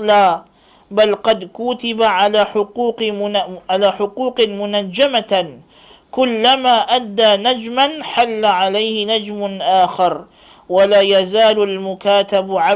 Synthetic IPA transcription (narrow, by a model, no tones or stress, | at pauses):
laː | balqɑd̪kʊːt̪ɪbaʕalaːʊquːqʕalaːħʊquːqmʊnad͡ʒːama | kʊlːamaːʔad̪ːaːnad͡ʒmanħalːaʕalajhɪnad͡ʒmʊʔaːxɑɾˤ | walaːjazaːlalmʊkaːt̪abʕa